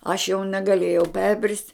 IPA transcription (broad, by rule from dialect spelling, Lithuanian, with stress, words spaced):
ɐʃ jɛʊ nʲɛɡɐˈlʲeːjɛʊ ˈpʲɛrʲbʲrʲɪsʲtʲ